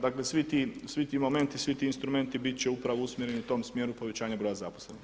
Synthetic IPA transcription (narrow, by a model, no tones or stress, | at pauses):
d̪akle̞sʋit̪isʋit̪iːmo̞me̞nt̪isʋit̪iːnst̪ɾume̞nt̪ibit̪̚t͡ɕeupɾaʋousmjeɾe̞niut̪o̞ːmsmjeːɾupoʋe̞t͡ɕaːɲabɾo̞jazaposlen